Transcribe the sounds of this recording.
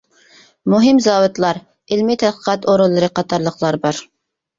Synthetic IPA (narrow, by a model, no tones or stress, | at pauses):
muɦɪmzɑːwɪt̪lˠɑɾ | ɪlmɪt̪ʰɛd̪̚qʰə̥qʰɑt̪oɾulˠːɨɾɨqɑt̪ʰɑɾlˠəqlˠɑɾbɑɾ